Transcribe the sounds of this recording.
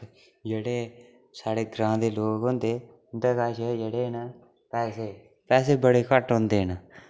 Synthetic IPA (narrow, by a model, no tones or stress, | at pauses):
d͡ʒeːɽeː | saːɽeːɡɾãːd̪eːloːɡɦõːnd̪eː | ʊnd̪eːkaːʃejeɽeːnə | pɛːseː | pɛːs̬eːbəɽeːkəʈɦõːnd̪eːnə